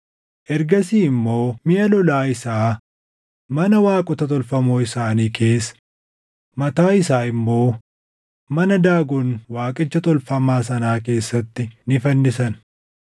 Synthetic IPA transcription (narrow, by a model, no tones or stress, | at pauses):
ʔɛɾɡɐsiːɪmːo̞ːmɪjɐlɔlaːɪsaː | mɐnɐwaːkʼʊt̪ɐt̪ɔlfɐmoːɪsaːniːkʰe̞ːs | mɐt̪aːɪsaːɪmːo̞ː | mɐnɐd̪aːɡʊnwaːkʼɪt͡ʃːɐt̪ɔlfɐmaːs̬ɐnaːk̬e̞ːsːɐt̪ːɪnɪfɐnːɪsɐn